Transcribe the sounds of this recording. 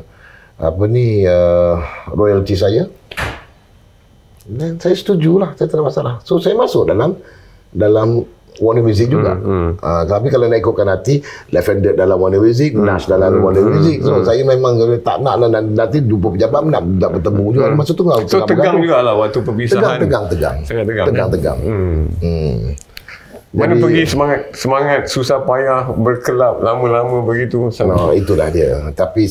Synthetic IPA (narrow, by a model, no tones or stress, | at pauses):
a̰pəniə | rɔjəlt̪is̬aja | dɛnsajasə̥t̪ud͡ʒulahsajat̪ənaʔmasalahsosajamasʊʔ̚dalam | dalam | wanəmjuzɪk̚d͡ʒuɡa̰ʔə̰kət̪ap̬ikalanaʔikut̪̚kanhat̪ilɛfɛndət̚dalamwanəmuzɪk̚ənasdalamwanimuzɪk̚sosajamemãŋlat̪a̰ʔna̰ʔlananat̪̬idup̬əpəd͡ʒabat̪̚mənaʔnaʔbərt̪əmbud͡ʒuɡanmasʊk̚t̪əŋɡalŋat̪əɡaɡaŋd͡ʒuɡalawat̪upəbist̪əaɡaŋt̪əɡaŋt̪əɡa̰ŋsaŋaəɡtəɡaŋt̪əɡa̰ŋ̩ | wanəpəɡisəmaŋat̪̚səmaŋat̪̚susahpajahbərkəlap̚lamə̃lamə̃bəɡit̪usaait̪ula̰hdiə̰t̪api